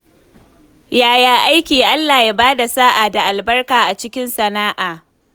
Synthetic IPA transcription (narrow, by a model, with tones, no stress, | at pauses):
jaː˨jaː˨ʔa˦jkʲiː˨ʔa˦lːaː˨jaː˦baː˦da˨saː˦ʔa˨da˨ʔa˨lbɐ˦rkaː˨ʔa˨t͡ʃɪ˦kʲɪ˦nsɐ˨naː˦ʔaː˨